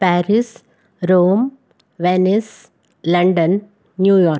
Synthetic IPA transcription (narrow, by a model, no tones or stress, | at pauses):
pæːɾɪs | ɾoːm | ʋenes | lɐ̃ɳɖənː | juːjɔːɾ